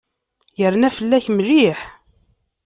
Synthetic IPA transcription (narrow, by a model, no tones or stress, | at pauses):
jəɾnæfəlːæçmliħ